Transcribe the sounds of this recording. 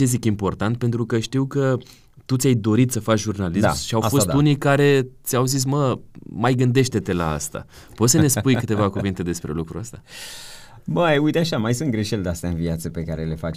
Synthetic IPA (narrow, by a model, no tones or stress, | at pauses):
ezikimpo̞rt̪ant̪̚pent̪ɾukəʃt̪iwkə | t̪ut̪sʲajd̪o̞ɾit̪səfat͡ʃʒurnalisa̰ʃiawfo̞d̪unijkaɾe̞t̪sʲawzis̬məmajɡɨnd̪e̞ʃt̪e̞t̪e̞la̰a̰st̪a̰ | po̞t̪səne̞spujkɨt̪e̞vakuvint̪e̞d̪e̞spɾe̞̰lukɾṵəst̪a | bəujt̪eaʃamajsunt̪ɡɾeʃeld̪east̪aɨnviat̪səpe̞kaɾelefat͡ʃ